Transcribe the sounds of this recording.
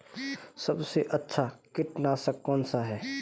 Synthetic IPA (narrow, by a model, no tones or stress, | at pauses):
sɐbseʔɐtːʃʰakɪʈnaːsɐkːɔːnsaɦɛː